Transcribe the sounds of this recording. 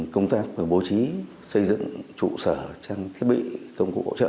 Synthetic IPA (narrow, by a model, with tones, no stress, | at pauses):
kə˧wŋ͡mt̪aː˦˥k̚vəː˨˩ɓo˨˧˦t͡ɕi˨˦ | sə˧jzɨ̰˧˨ŋt͡ɕṵ˧˨səː˧˩t͡ɕaː˧ŋt̪ʰi˦˥t̚ɓḭ˧˨kə˧wŋ͡mkṵ˨˧˩k̚ho̰˧˨t͡ɕə̰ː˧˨